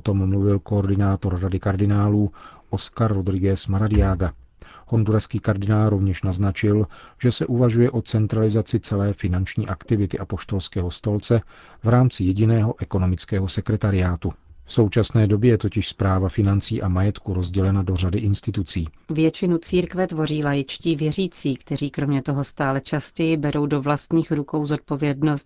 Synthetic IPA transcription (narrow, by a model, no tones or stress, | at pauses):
ot̪o̞mːluvɪlko̞ːɾdɪnaːt̪o̞ɾradɪkaɾdɪnaːluːʔo̞skaɾːod̪ɾɪɡɛsmaɾadɪjaːɡa | honduɾaskiːkaɾdɪnaːlɾo̞vɲɛʃnaznat͡ʃɪlʒ̥ɛsɛʔuvaʒujɛʔo̞t͡sɛnt̪ɾalɪzat͡sɪt͡sɛlɛːfɪnant͡ʃɲḭːʔakt̪ɪvɪt̪ɪʔapo̞ʃt̪o̞lskɛːɦo̞st̪o̞lt͡sɛ | vɾaːmt͡sɪjɛɟɪnɛːɦo̞ʔɛko̞no̞mɪt͡skɛːɦo̞sɛkɾɛt̪aɾɪaːt̪ufso̞wt͡ʃasnɛːdo̞bjɛjɛt̪o̞cɪʃspɾaːvafɪnant͡siːʔamajɛt̪kuɾo̞zɟɛlɛnado̞radɪʔɪnst̪ɪt̪ut͡siːvjɛt͡ʃɪnut͡siːɾkvɛt̪vo̞riːlajɪt͡ʃciːvjɛriːt͡siːkt̪ɛɾiːkɾo̞mɲɛt̪o̞ɦo̞st̪aːlɛt͡ʃascɛjɪbɛɾo̞wdovlast̪ɲiːxɾuko̞wzo̞t̪̚po̞vjɛdno̞st̪̚